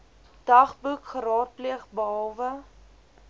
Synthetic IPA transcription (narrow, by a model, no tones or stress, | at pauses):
d̥ɐχbukχəɾɑːt̚pliəχbəɦɑlˠvə